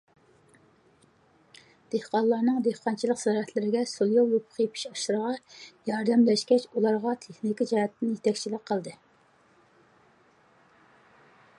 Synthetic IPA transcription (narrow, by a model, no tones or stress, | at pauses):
d̪̥ehqɑlˠɑɾnɨŋd̪ehqɑnt͡ʃʰilˠəqzɑɾɛt̪ʰlɪɾɪɡʲɛsolˠjowjopʰʊ̥χjepʰi̥ʃɑʃɨɾəʁɑjɑɾd̪ɛmlɛʃkʲɛt͡ʃulˠɑɾʁɑt̪ʰeχnikʲid͡ʒɑhɛt̪ʰːɪnjet̪ʰɛkʲt͡ʃʰilɪk̚ʲqʰːəlˠd̪ɨ